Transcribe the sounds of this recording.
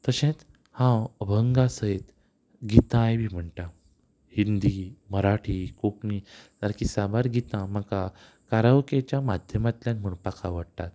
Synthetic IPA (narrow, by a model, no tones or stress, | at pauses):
t̪əɕẽt͡s̪ | hãəbʱəŋɡasəet̪ | ɡit̪ãjbiːm̤əɳʈa | hind̪iməɾaʈʰikokɳit̪aɾkisabaɾɡit̪ãməka | kaɾəʋket͡ɕjamad̪ʱjəmat̪ljanmuɽpakʰaʋəɽt̪at̪